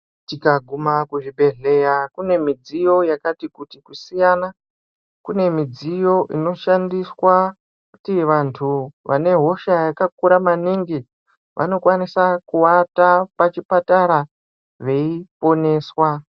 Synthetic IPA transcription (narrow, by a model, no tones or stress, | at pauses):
tikaɡʱumakuʐibe̞ɮe̞jakune̞mid͡zijo̞jakatikutikusijana | kune̞mid͡zijo̞ʔino̞ʃandiswa | ku̥tiʋantʰuʋa̰ne̞ɦo̞ʃajakak̚uɾamaniŋɡi | ʋʔa̰no̞kwanisakuwatapat͡ʃipataɾa | ʐe̞ipo̞ne̞ːswa